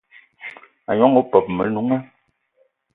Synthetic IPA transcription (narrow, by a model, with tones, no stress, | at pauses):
a˨ɲɔ˨˦ŋo˨˦pɔ˨p̚mə˨nu˨˦ŋɛ˦